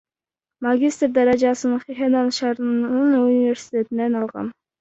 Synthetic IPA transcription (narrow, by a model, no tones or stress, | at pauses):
maɡʲist̪ɾd̪ɑɾɑd͡ʒɑsɯnɯɴχiɦenɑnʃɑɾnɯnunivʲe̞ɾsi̥t̪ʲe̞t̪ind̪enɑlˠʁɑ̰n